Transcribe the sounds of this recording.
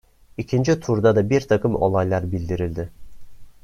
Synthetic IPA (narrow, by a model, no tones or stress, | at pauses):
icʲʰind͡ʒit̪ʰuɾd̪ad̪abiɾt̪ʰɑkʰɯmo̰lˠajlˠɑɾbild̪iɾilʲd̪ɪ